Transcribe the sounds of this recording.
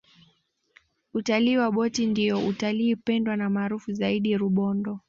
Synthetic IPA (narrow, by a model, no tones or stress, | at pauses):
utaliːwaɓɔtindiɔʔutaliːpɛndwanamaːɾufuzaiɗiɾuɓɔndɔ